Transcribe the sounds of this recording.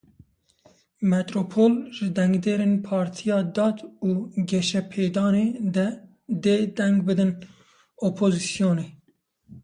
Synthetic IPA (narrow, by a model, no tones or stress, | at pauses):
mɛt̪ɾopʰoːlʒɪd̪ɛŋɡd̪eːɾeːnpʰɑːɾt̪ʰijɑːd̪ɑːt̪uːɡɛʃɛpʰeːd̪ɑːneːd̪ɛ | d̪eːd̪ɛŋɡbɨd̪ɨn | opʰozisijoːneː